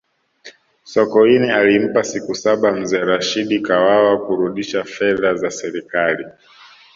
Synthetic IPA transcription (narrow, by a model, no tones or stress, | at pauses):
sɔkɔinɛalim̩pasikusaɓam̩zɛɾaʃiɗikawawakuɾuɗiʃafɛðazasɛɾikali